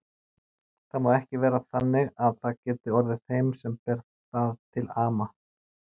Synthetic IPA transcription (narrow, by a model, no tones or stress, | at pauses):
θaðmaːðɛhcɪvɛːɾaθanːɪɣaðθaðcɛːt̪ɪɔɾðɪ̥θejmsɛmpɛɾt̪ | aðt̪ʰɪlaːma